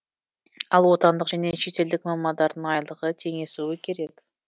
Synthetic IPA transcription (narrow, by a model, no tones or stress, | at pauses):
ɑlˠwo̞t̪ɑnd̪əqʒ̥æne̞ʃe̞t̪e̞ld̪ɪkmɑmːɑnd̪ɑɾd̪əɴɑjlˠəʁət̪ʰe̞ŋe̞suɪkʲʰe̞ɾe̞k